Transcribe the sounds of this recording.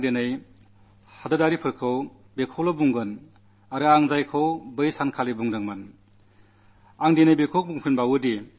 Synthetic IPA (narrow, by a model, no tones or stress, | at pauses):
ŋdenɯj | hadɯdaɾipʰɯɾkʰɯw | bekʰɔwlɔbuŋɡɯn | aɾɯaŋzajkʰɯwbɯjsankʰalibuŋdɯŋmɯn | aŋdenɯjbekʰɔk̚buŋpʰɯnbawɯdi